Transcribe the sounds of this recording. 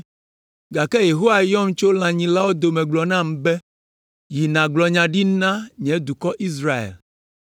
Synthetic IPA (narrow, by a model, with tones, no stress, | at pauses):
ɡa˨kɛ˦je˨ɦo˦wa˨jɔ˦m̩˦t͡ʃo˦l̃ã˨ɲĩ˨la˦wo˦d̪o˨mɛ̃˨ɡ͡blɔ˨nã˦˨m˨bɛ˦ | ji˨nã˨ɡ͡blɔ˨ɲã˨ɖi˦nã˦ɲɛ̃˨˦d̪u˨kɔ˦ʔi˦s̬ɾa˦ḛ˨l